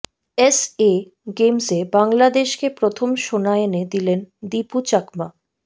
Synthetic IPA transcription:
ese | ɡemsebaŋlad̪eʃkepɾot̪ʰomʃonaened̪ilend̪iput͡ɕakma

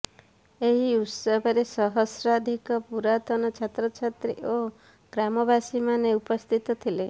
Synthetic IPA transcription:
eɦiut̪sɔbʱaɾesɔɦɔsɾad̪ʱikɔpuɾat̪ɔnɔt͡ʃʰat̪ɾɔt͡ʃʰat̪ɾḭʔo | ɡ̥ɾamɔbasimaneupɔst̪ʰit̪ɔt̪ʰile

